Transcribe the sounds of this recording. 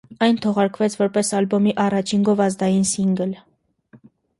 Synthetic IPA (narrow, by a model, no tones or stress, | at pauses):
ɑjnt̪ʰɔʁɑɾkvɛt͡sʰvɔɾpɛsɑlbɔmiʔɑrɑt͡ʃʰiŋɡɔvɑzd̪ɑjinsiŋɡəl